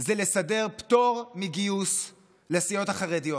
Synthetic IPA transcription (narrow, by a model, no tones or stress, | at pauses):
zelesade̞ʁpt̪o̞ʁmiɡius | lesijo̞taχaʁedijo